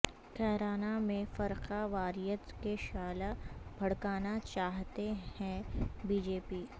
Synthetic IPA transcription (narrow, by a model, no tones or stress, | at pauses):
kʰɛːɾaːnamẽfɐɾqaʋaːɾijət̪keʃaːlabʱɐɽkaːnat͡ʃaːɦt̪ehɛ̃biːd͡ʒeːpiː